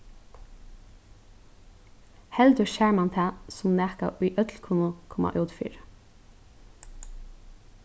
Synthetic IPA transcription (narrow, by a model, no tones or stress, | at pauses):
hɛld̪əʃæːɹmant̪ʰæːsʊmnæːka̰ʔʊjʔœt̪lkʰuːnʊkʰɔma̰ʔœːt̪fḭːɹ